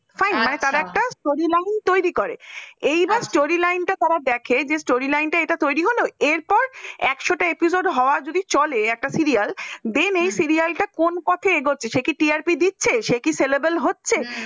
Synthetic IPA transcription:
fajnmanet̪aɾaɛk̚ʈasʈoɾilajnt̪ojɾikoɾḛejbasʈoɾilajnʈat̪aɾad̪ɛkʰed͡ʑesʈoɾilajnʈaeʈat̪ojɾiɦoloeɾpɔɾɛkʃoʈaepisoɖɦɔoad͡ʑod̪it͡ɕɔleɛk̚ʈasiɾiald̪enejsiɾialʈakonkɔt̪ʰeeɡotːɕʰeʃekiʈiaɾpid̪itːɕʰeʃekiselebelɦotːɕʰe

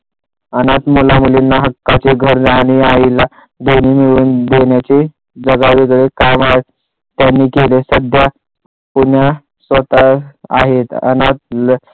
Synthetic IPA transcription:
ənat̪mulamulinːaɦəkːat͡seɡʱəɾaɽ̃iaila | d̪on̤iːmiɭuːnd̪eɳjat͡se | d͡zəɡaʋeɡɭekamaɦet̪ | t̪ːjanːiːkelesəd̪ʱja | puɳja | sʋət̪aa̰ɦet̪ə̰nat̪̚l

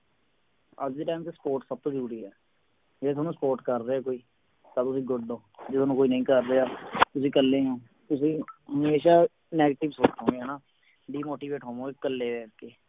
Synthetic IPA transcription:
əd͡ʒd̪eːʈaːmkespoːɾʈsəb̚t̪õːd͡ʒəɾuːɾiːɦɛː | d͡ʒeːt̪ʰaːnũːsəpoːɾʈkəɾɾeːaːkoːiː | t̪ãːt̪ʊsĩːɡʊɖõːd͡ʒɪt̪ʰoːnũːkoːiːnəĩːkəɾːeːaːt̪ʊsĩːkəlːẽːɦɛ̃ː | t̪ʊsĩːɦəmeːʃaː | nɛːɡeːʈɪbsoːt͡ʃɦõːeːɦɛːnaː | ɖiːmoːʈiːʋeːʈɦõːʋõːekəlːeːʋɛːɾkeː

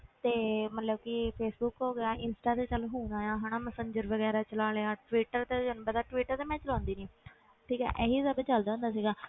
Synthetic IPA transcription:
t̪eːmət̪ləb̚kɪpʰeːsbuːkɦoːɡeaːʔɪnsʈaːt̪eːt͡ʃəlɦuːnaːjaːɦaːɽ̃aːməsə̃ɲd͡ʒəɾʋəɡɛːɾaːt͡ʃəlaːleaːʈʋiːʈəɾt̪eːd͡ʒənbət̪aːʈʋiːʈəɾt̪eːmɛ̃ːt͡ʃəlãːnd̪iːnĩː | ʈʰiːkɛ̰ːʔɛːɦiːsəbːt͡ʃəld̪ãːʊ̃ːnd̪aːsiːɡaː

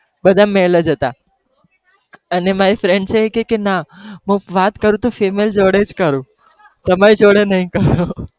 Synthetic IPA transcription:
bəd̪ʱamɛlad͡ʒət̪a | ənemaɾifɾeɳɖt͡ʃʰeːkekenaɦũʋat̪kəɾũt̪ofemeld͡ʒoɽed͡ʒkəɾũ | t̪əmaɾid͡ʒoɽenəɦĩkəɾu

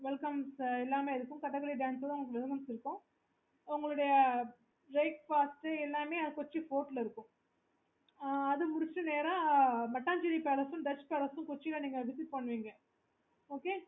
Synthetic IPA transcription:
ʋɛlkɐmsɛlːaːmeːɪɾɯkːʊ̃kɐʈːɐɡɐɭiɖaːnsɐðʊŋɡɭɐkːʋɛðɯmɐnsɪɾɯkːʊ̃ | ʊŋɡɐɭɯɽɐjɐ | ɾeɪk̚faːsʈɛlːaːmeːɐkɔt͡ʃːifoːʈlɪɾɯkːʊ̃ | ɐðɯmʊɽɪt͡ʃːɯneːɾãːmɐʈːaːɲd͡ʒɪɾipeːlɐsʊ̃ɖɐt͡ʃːpeːlɐsʊ̃kɔt͡ʃːikɐniːŋɡɐʋɪsɪʈ̚pɐɳːɯʋiːŋɡɐ | oːkeː

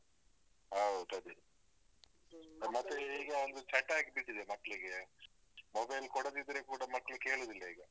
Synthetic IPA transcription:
ɦaɦt̪ɐd̪i | mɐt̪ːeiːɡɐːld̪ut͡ʃɐʈaːkbiʈːid̪emɐkːɐɭiɡe | mobɐjlkɔɽɐd̪id̪ɾekuːɽɐmɐkːɐɭuke̞ːɭoːd̪ilːɐiːɡɐ

